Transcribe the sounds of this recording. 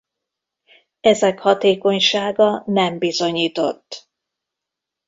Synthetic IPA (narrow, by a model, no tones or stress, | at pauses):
ɛzɛkhɒt̪eːko̞ɲʃaːɡɒnɛmbizo̞ɲiːt̪o̞t̪ː